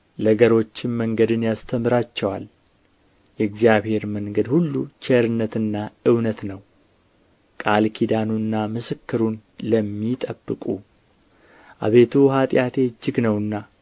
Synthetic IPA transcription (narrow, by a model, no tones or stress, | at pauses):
ləɡəɾo̞t͡ʃːɪnməŋɡəd̪ɨnjast̪ʰəmɨɾat͡ʃːɛwa̰l | jɛɨɡzijaβhe̞ɾməŋɡəd̪hulːṵt͡ʃɛɾɨnːət̪ɨnːaɨwnət̪nəw | kʼalkʰid̪anunːamɨsɨkːɨɾunləmːit̪ʼəbːɨkʼu | ʔa̰βe̞t̪ʰuɦat̪ʼjat̪ʰe̞d͡ʒːɪɡnəwɨnːa